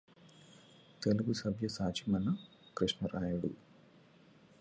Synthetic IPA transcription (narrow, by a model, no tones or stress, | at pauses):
t̪eluɡusɐbʱjɐsaːt͡ʃimɐnːɐ | kɾiʂɳɐɾʔaːjɐɽṵ